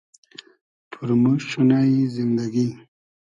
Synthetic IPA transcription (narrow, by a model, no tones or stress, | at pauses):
pʰuɾmuʃunaizind̪aɡin